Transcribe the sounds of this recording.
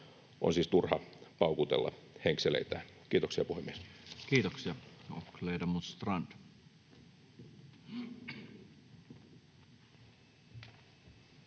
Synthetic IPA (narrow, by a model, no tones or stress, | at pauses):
ʔo̰nsiːst̪urhɑpɑukut̪ḛlːɑ̰heŋkselḛit̪æː | kiːt̪oksiɑpuhemːieskiːt̪oksiɑokleidɑmust̪rɑnd̪̥